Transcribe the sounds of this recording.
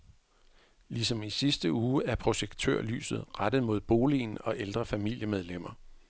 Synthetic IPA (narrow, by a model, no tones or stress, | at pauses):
lisɒ̽misisd̥əuːæɐpʰʁo̝ɕeɡ̥t͡sʰø̰ɐ̰ly̰ːsð̞̩ˠʁad̥ð̞̩ˠmo̝ð̰ˠb̥o̝ːlḭːnɒ̽ʔeld̥ʁɐfæmil̰jəmeð̞ˠlem̰ɐ